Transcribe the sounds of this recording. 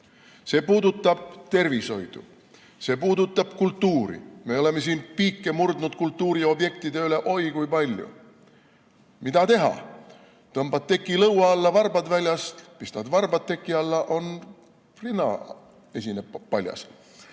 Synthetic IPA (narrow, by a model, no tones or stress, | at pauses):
se̞ːpuːd̪ut̪ːˑɑb̥̚t̪e̞rviso̞jd̪̥ṵ | se̞ːpuːd̪ut̪ːˑɑb̥kult̪ːuːɾḭme̞o̞le̞me̞s̬iːnpiːkˑːe̞murd̪nud̪̥̚kult̪ːuːɾio̞bje̞k̚t̪id̪e̞yle̞ʔo̞jkujpɑlʲjṵ | mid̪ɑt̪e̞ɦɑ̰ | t̪ɤmbɑt̪̚ːe̞kːˑilɤwwɑɑlːɑvɑrbɑd̪vælʲjɑst̪pist̪ɑd̪vɑrbɑd̪e̞kːˑiɑlːɑʔo̞n | rinːɑ̰ | e̞sʲinepːɑlʲjɑ̰s